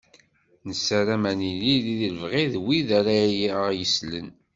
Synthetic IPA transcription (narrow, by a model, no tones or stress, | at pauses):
nəsːæɾæmænililiðəlvʁiðwiðaɾajjəslə̰n